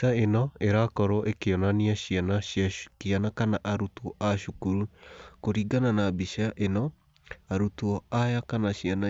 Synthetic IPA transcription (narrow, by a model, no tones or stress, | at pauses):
aenɔeɾakɔɾɔʔekeɔnaniaɕianaakianakanaʔaɾutuɔʔaʃukuɾukoɾiːɡananabiʃaʔenɔ | aɾutuɔajakanaɕiana